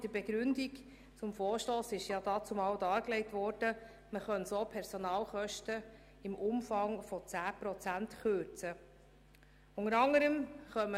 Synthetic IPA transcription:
d̥əbɛɡ̥ɾʉndik | t͡sʊmfɔːɾʃtoːsɪʃjɑd̥̪ɑːt͡sʊmɑwdɑːɾklɛɪtʋɔːɾd̥ə | məχœnsoːpʰɛɾsɔnɑːlχœʃtə | ɪmʔʊmfɑŋfɔt͡sæːpɾɔt͡sæntχøɾt͡sə | ʊŋəɾɑŋəɾəmχœmə

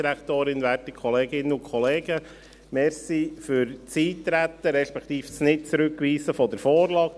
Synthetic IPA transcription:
iɾækt̪oːɾɪnʋæɾtəkʰχɔleːɡɪnːəʊnkʰχɔleːɡə | mɛɾsifʏɾt͡siːt̪ːɾæt̪ːəɾɛʃpɛkt̪iːfsnɪt̚t͡sɾʉkʋiːsəfɔdɛɾfoːɾlɑːk

